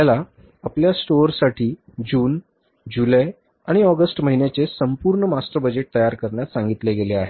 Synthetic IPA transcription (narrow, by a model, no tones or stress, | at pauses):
ala | apljasʈoɾsaʈʰiːd͡ʑuːn | d͡ʑulaj | aɽ̃iɔɡəsʈməɦinjat͡sesəmpuɾɳəmasʈ̪ɾəbəd͡ʑeʈ̚t̪əjaɾkəɾɳjat̪sãŋɡit̪leɡeleaɦe